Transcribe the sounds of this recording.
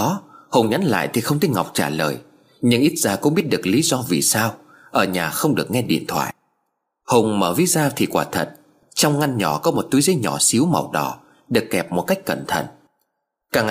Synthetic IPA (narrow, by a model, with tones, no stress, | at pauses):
ɔ˨˦hʊ˨˩wŋ͡mɲa˨˦nla̰ː˧˨jt̪ʰi˨˩xə˧wŋ͡mt̪ʰi˨˦jŋa˨˩wk͡p̚t͡ɕaː˧˩lə̰ː˨˩j | ɲɨ̰˧ŋʔi˦˥t̚z̥aː˧˩kʊ̰˧˥ŋ͡mɓi˦˥ət̚ɗɨ˨˩ək̚lḭ˨˦zɔ˧vḭ˨˩saː˧w | ʔəː˧˩ɲaː˨˩xə˧wŋ͡mɗɨ˨˩ək̚ŋɛ˧ɗḭ˧˨ənt̪ʰwa̰ː˧˨jʔ | hʊ˨˩wŋ͡mməː˧˩vi˨˦zaː˧t̪ʰi˨˩kwaː˧˩t̪ʰə̰˨˩t̚ | t͡ɕɔ˧wŋ͡mŋa˧nɲɔ˧˩kɔ˨˦mo˨˩t̚t̪u˨˦jzə˨˦jɲɔ˧˩si˨˦wma̰˨˩wɗɔ̰˧˩ | ɗɨ˨˩əkːɛ˨˩p̚mo˨˩t̚ka˦˥jk̟̚kə˧˩nt̪ʰə̰˧˨n | kaː˨˩ŋ